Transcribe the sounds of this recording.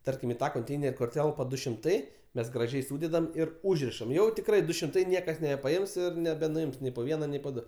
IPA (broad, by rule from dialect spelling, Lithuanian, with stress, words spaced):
ˈtɐrʲkʲɪm ɪ ˈtɑː koːnʲˈtʲɛɪnʲɛrʲ kʊr ˈtʲɛlˠpɐ ˈdʊ ʃʲɪmˈtɐɪ ˈmʲɛs ɡrɐˈʒʲɛɪ ˈsuːdʲɛdɐm ˈɪr ˈuːʒʲrʲɪʃɐm ˈjɛʊ tʲɪkˈrɐɪ ˈdʊ ʃʲɪmˈtɐɪ ˈnʲiɛkɐs nʲɛbʲɛpɐˈɪms ɪr nʲɛbʲɛnʊˈɪms ˈnʲɛɪ poː ˈʋʲiɛnɐ ˈnʲɛɪ poː ˈdʊ